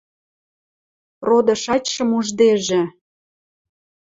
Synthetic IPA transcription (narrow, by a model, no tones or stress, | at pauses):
rod̪ɤ̆ʃɑt͡ɕʲʃə̆muʒd̪eʒĕ